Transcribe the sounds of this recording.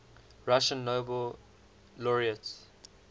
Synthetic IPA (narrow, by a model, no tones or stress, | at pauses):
ɹaʃə̃nːoːbəl | lɔɹiəts